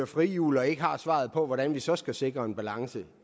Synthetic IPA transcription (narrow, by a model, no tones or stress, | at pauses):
ɐfʁijṵːlɐe̝ɡ̥əhɑ̈sʋɑ̰̈ð̞̩ˠpʰɒ̽ʋɒɾænʋisɒ̽sɡ̥æse̝ɡ̥ʁɐe̝nb̥ælɑ̈ŋsə